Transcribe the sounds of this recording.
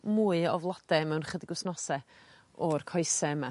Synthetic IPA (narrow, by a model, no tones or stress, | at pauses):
muːɨɔvlˠɔd̥ɛmɛwnχədɪɡʊsnɔsɛ | ɔrkʰɔjsɛəma